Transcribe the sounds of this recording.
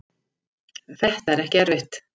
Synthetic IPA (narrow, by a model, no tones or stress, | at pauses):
θɛht̪aɛɾɛhcɪɛɾvɪht̪